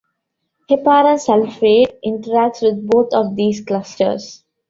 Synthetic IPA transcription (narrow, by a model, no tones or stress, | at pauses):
hepaːɾə̃nsɛlfɾeːʈʔɪ̃ɳʈəɾæk̚ʈsʋɪd̪̚boːt̪ʰɔʋd̪iːzklʌsʈə̰ɾs